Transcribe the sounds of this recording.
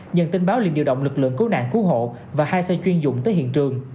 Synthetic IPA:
ɲə̰˧˨nt̪i˧nɓaː˨˦wlḭ˧˨nɗḭ˧əwɗə̰˧˨wŋ͡mlɨ˨˩k̚lɨ̰˧˨əŋku˨˦na̰ː˧˨ŋku˨˦ɦo̰˧˨ | vaː˨˩haː˧jsə˧t͡ɕwi˧ənzʊ̰˧˨ŋ͡mt̪əː˨˦hḭ˧˨ənt͡ɕɨ˨˩əŋ

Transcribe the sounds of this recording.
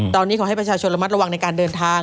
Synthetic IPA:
t̪ɔː˧nːiː˦˥kʰɔː˩˦ha˥˩pɾa˧t͡ɕʰaː˧˩t͡ɕʰo˧nɾa˧m˦˥t̪̚ɾa˧wa˧ŋna˧jkaː˧ndɤː˧nt̪ʰaː˧

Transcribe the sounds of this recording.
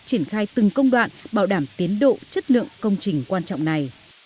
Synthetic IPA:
t͡ɕi˧˩ənxaː˧jt̪ɨ˨˩ŋkə˧wŋ͡mɗwa̰ː˧˨nɓaː˧˩wɗaː˧˩mt̪i˨˦ənɗo̰˧˨t͡ɕə˦˥t̚lɨ̰˧˨əŋkə˧wŋ͡mt͡ɕï˨˩ŋ̟kwaː˧nt͡ɕɔ̰˧˨wŋ͡mna˨˩j

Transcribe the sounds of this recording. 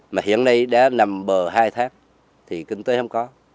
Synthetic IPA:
maː˨˩hḭ˧˨ənːa˧jɗa̰ː˧˥na˨˩mɓəː˨˩ɦaː˧jt̪ʰaː˨˦ŋ | t̪ʰi˨˩kï˧ŋ̟t̪əː˨˦hə˧wŋ͡mkɔ˨˦

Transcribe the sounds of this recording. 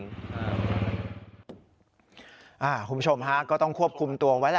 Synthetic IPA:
a˧ | ʔaː˧˩kʰu˩˦bu˥t͡ɕʰo˧mɦa˦˥kɔː˥˩t̪ɔ˥˩ŋkʰu˥˩əp̚kʰu˧mt̪u˧ɐwa˦˥la˧˩

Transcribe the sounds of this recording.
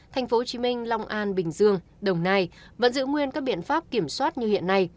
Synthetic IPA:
t̪ʰa˨˩jŋ̟fo˨˦t͡ɕi˨˦mï˧ŋ̟lɔ˧wŋ͡mʔaː˧nɓï˨˩ŋ̟zɨ˧əŋ | ɗə˨˩wŋ͡mna˧jvə̰˧˥nzɨ̰˧˥ŋwi˧ənkaː˦˥k̚ɓḭ˧˨ənfaː˦˥p̚ki˧˩əmswaː˦˥t̚ɲɨ˧hḭ˧˨ənːa˧j

